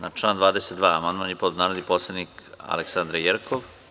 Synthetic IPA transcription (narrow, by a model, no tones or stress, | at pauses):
nat͡ʃlˠand̪ʋaːd̪eset̪d̪ʋaːamand̪manipod̪naːneliposlˠenika̰leksand̪ɾajeɾkʰoʋ